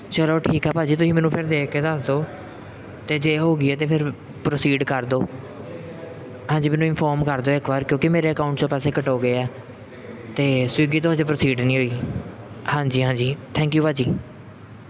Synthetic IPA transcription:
t͡ʃəloːʈʰiːkɦɛːpaːd͡ʒiːt̪ʊsĩːmɛːnũːpʰɪɾd̪eːkʰːeːd̪əsd̪oː | t̪eːd͡ʒeːɦoːɡiːɛːt̪̬eːpʰɪɾ | pɾoːsiːɖkəɾd̪oː | ɦãːɲd͡ʒiːmɛːnũːɪnpʰɔːɾmkəɾd̪oːɪkʋaːɾkjõːkɪmeːɾeːəkaːʊɳʈt͡ʃõːpɛːseːkəʈoːɡəeːɛː | t̪eːsiːɡiːt̪od͡ʒeːpɾoːsiːɖnĩːɦoːiː | hãːɲd͡ʒiːɦãːɲd͡ʒiːt̪ʰɛ̃ːŋkjuːpaːd͡ʒiː

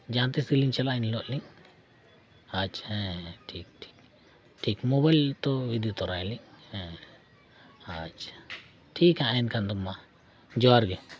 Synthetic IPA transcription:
d͡ʒaːnt̪esɡiliŋt͡ʃalainlɔʔliŋ | at͡ʃɛ̃ʈʰiːk̚ʈʰi̥k̚ | ʈʰikmobajlt̪oʋid̪ijot̪ɔɾajliŋhɛ̃ | at͡ʃ | ʈʰiːkãinkʰand̪ɔmːa | d͡ʒɔaɾɡe

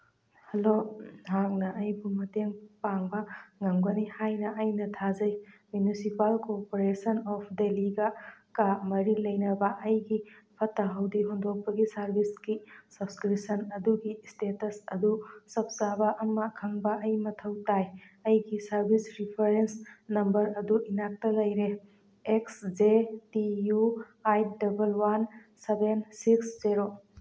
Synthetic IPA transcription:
hɐloɦak̚nɐʔɐjbumɐteŋpaŋbɐŋɐŋɡɐnihajnɐʔɐjnɐtʰazɐjmjunisipalkopoɾesɐnɔpʰdeliɡɐkamɐɾilɐjnɐbɐʔɐjɡipʰɐtːɐɦɐwdiɦondok̚pɐɡisɐɾbisɡisɐbskɾipsɐnɐduɡistetɐsɐdusɐp̚zabaʔɐmɐkʰɐŋbɐʔɐjmɐtʰɐwtajɐjɡisɐɾbisɾipʰɐɾensnɐmbɐɾɐduʔinak̚tɐlɐjɾe | eksd͡ʒetiju | ajdɐbɐlwan | sebensiksziɾo

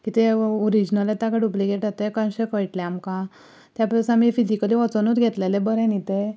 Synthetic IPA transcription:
kit̪eoɾid͡ʑnəlet̪aɡaɽupliɡeʈat̪ekãnɕekəjʈleamkã | t̪japɾəsamifid͡ʑikəliʋɔt͡sənut̪ɡʱet̪lelebəɾɛnit̪e

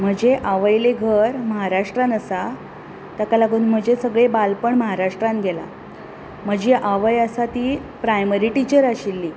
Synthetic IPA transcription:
m̤əd͡ʑeʔaʋəjleɡʱəɾməɦaɾaʂʈɾanəsa | t̪akalaɡuːnm̤əd͡ʑesəɡɭebalpəɳməɦaɾaʂʈɾãn̚ɡʱɛla̰ | m̤əd͡ʑeʔaʋəjəsat̪iːpɾajməɾiʈit͡ɕəɾaɕilːiː

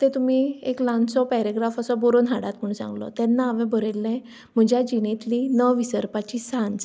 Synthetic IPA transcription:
t̪ẽt̪umieklãnsɔpɛɾeɡɾafəsɔbɔɾonɦaɽat̪m̤əɳsã̰ŋɡlɔ̰t̪ɛnːaːmɛ̃bʱəɾelːɛ̃ | m̤əd͡ʑʱjad͡ʑinẽt̪linəʋisəɾpat͡ɕisãnd͡z

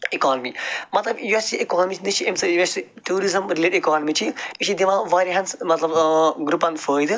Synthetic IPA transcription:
ikaːnɐmimɐt̪lɐbjuestiʔikaːnmit͡ʃʰnɨt͡ʃʰiemsɐjuɛsiʈuːɾizɐmɾileːʈikaːnɐmit͡ʃʰiiʃʰid̪iʋãʋaːɾiɦɐnsmɐt̪lɐbɡɾupːɐnfəːjd̪ɨ

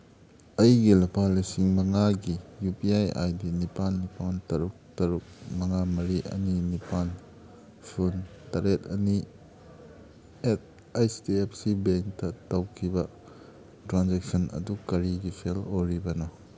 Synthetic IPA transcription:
ɐjɡilɐpʰalisiŋmɐŋaɡijupiaja̰jdinipanːipantɐɾuk̚tɐɾuk̚mɐŋamɐɾiʔɐ̰ninipan | suntaɾetɐni | et̚ | ajstiepʰsibeŋktɐtawkʰibɐ | tɾanzek̚sɔnɐ̰dukɐɾiɡisʰeloɾibɐnɔ

